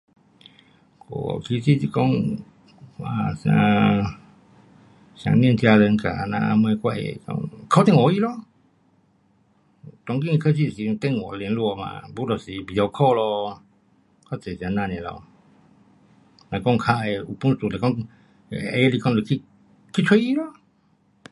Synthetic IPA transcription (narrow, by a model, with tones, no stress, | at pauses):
ko̰˨kʰi˧si˦˨si˧kɔ˦˨ŋ | a˨sã˧ | sja̰˨ŋnĩ˧˨nt̪ja˧lə˧ŋ˧ka̰˨nã̰˧mə˧kwa˧ḛ˧kɔ̰˧ŋkʰɔ˧˦t̪e˦˨ŋɔ˨i˧˦lɔ˧ | t̪ɔ˧ŋkĩ˦˨˧kʰə˦˨si˦˧˨si˧t̪e˦˨ŋɔ˨˧le˧n˧lu˧ɔ˧mã̰˧˨bu˧˦lɔ˧˨si˧bi˨ɔ˧kʰɔ˦˨lɔ˧ | kɔ˦t͡se˨si˧a˨nã˧˨nɛ̃˨lɔ̰˧ | nã˨˧kɔ̃˦˧ŋkʰa˧ʔe˧u˧˨pu˦n˦su˨le˨kɔ˦˧˨ | e˧˦li˧kɔ˦˧nle˧ki˦ | ki˦t͡ʃʰwe˦i˦lɔ˦